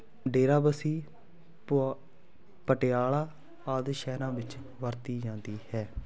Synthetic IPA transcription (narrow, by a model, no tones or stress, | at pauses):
ɖeːɾaːbəsiː | pəʈɪjaːɭaː | aːd̪ʃɛːɾãːʋɪt͡ʃ | ʋəɾt̪iːd͡ʒãːnd̪iːhɛː